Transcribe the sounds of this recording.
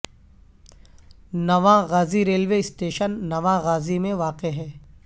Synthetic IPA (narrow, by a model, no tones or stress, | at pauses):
nɐʋãɣaːziɾeːlʋeːɪsʈeːʃənːɐʋãɣaːzimẽʋaːqeɦɛː